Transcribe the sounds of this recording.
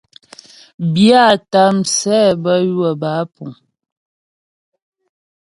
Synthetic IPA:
bja˦˨ta˦msɛː˦bə˦jwə˨ba˨˦pu˨ŋ

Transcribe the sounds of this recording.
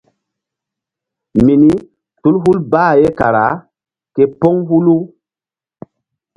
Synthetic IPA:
mi˨ni˦ | tu˦lɦu˦lbaː˦˨je˦ka˨ɾa˨˦ | ke˦pɔ˦ŋɦu˦lu˦

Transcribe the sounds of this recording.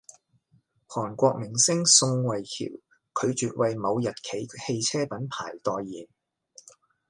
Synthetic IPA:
hɔː˨˩nkʷɔː˧k̚mɪ˨˩ŋsɪ˥ŋsʊ˧ŋwɐ˨jkʰḭ˨˩w | kʰɵ˨˧ɥt͡ʃyː˨t̚wʔɐ˨jmɐ˨˧wjɐ˨t̚kʰe˨˥jhe˧jt͡sʰɛː˥pɐ˨˥npʰa̰ː˨˩jt̪ɔː˨jːiː˨˩n

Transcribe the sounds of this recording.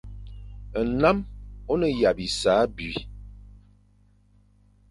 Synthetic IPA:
ə˨na˦mo˦nə˨ja˨bi˨saː˨˦bɥi˨

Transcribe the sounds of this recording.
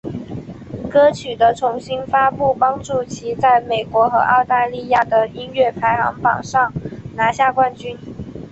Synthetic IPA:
kɤ˥t͡ɕʰy˨˩d̪ə˦t͡sʰʊ˧˥ŋɕi˥nfa˥pu˥˩pɑ˥ŋʈ͡ʂu˥˩t͡ɕʰi˧˥t͡sa˥˩ɪme˨˩ɪkwɔ˧˥xɤ̰˧˥ʔɑ˥˧ʊt̪a˥˧li˥˧ja˥˩d̪ə˩i˥nɥɛ˥˩pʰa˧˥ɪxɑ̰˧˥ŋpɑ̰˨˩ŋʂɑ˥˩ŋna˧˥ɕja˥˧kwa˥˩nt͡ɕy˥n

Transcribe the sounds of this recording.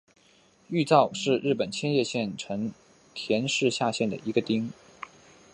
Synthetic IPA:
y˥˧t͡sɑ˥˧ʊʂɻ̩˥˧ɻɻ̩˥˩pə˨˩nt͡ɕʰjɛ˥njɛ˥˧ɕjɛ˥˩nʈ͡ʂʰɤ˧˥ŋ | t̪ʰjɛ˧˥nʂɻ̩˥˧ɕja˥˧ɕjɛ˥˩nd̪ə̰˩i˧˥ɡə˧t̪i˥ŋ

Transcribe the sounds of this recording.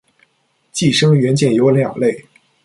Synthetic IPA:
t͡ɕi˥˩ʂɤ˥ŋɥɛ˧˥nt͡ɕjɛ˥˩njo˧˥ʊljɑ̰˨˩ŋle˥˩ɪ

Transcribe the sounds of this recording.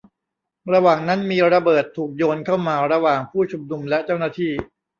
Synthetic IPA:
ɾa˧waː˨˩ŋna˦˥nmiː˧ɾa˧bɤː˨˩t̪ʰːuː˨˩k̚joː˧nkʰa˥˩wmaː˧ɾa˧waː˨˩ŋpʰuː˥˩t͡ɕʰu˧mnu˧mlɛ˦˥ʔt͡ɕa˥˩wnaː˥˩t̪ʰiː˥˩

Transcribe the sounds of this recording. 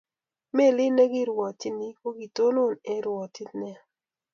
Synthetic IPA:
me˦˨lɪ˦ne˦ɡi˦ɾwɔ˨ti˦ni˦ko˦ɡi˨to˦lo˦˨ne˦ɾwɔ˨ti˦tnɛ˦˨

